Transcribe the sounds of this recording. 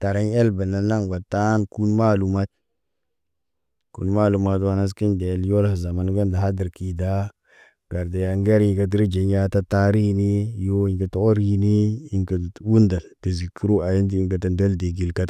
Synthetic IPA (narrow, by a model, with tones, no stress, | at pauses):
ta˨ɾa˦ɲe˦lbə˨na˨˦na˦ŋwa˨ta˦nku˦nma˦lu˨ma˦t̚ | kṵ˨nma˦lu˨ma˨twa˦na˦s̬ki˦nde˨ljo˦lhza˨ma˨n˦ɡə˦nda˨ɦa˦di˨ɾki˨da˦ | ɡ̥a˨ɾda˨ja˨ŋɡe˦ɾi˨ŋkə˨di˦ɾi˦d͡ʒe˨ɲ˦ja˦ta˦ta˦ɾi˦ni˦jo˦i˨ŋkə˨to˦o˦ɾi˦ni˦i˨ŋkə˨wu˦nda˨ltə˨zi˨kʰu˦ɾu˦a˨ji˦nd̬i˦i˨ŋkə˨tə˨ndo˦lde˨ɡi˨lka˦t